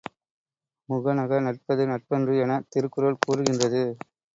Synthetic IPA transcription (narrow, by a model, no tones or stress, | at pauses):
mʊɣɐnɐɣɐnɐʈ̚pɐðɯnɐʈ̚pɐndrɯɛnɐt̪ɪɾɯkːɯɾɐlkuːɾɯɣɪndrɐðɯ